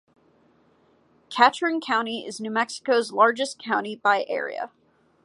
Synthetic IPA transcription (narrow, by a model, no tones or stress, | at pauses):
kʰæt͡ʃɹɪ̃nkʰãʊ̃ñiɪ̰znʉmɛksə̥koʊzlɑɹd͡ʒɨskʰãʊ̃ɾ̃ibaɪʔɛ̰ɹḭɨ̰